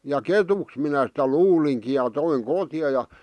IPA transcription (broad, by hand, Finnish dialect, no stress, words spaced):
jɑ ketuks minæ sitæ luːliŋki jɑ toiŋ kotĭjɑ jɑ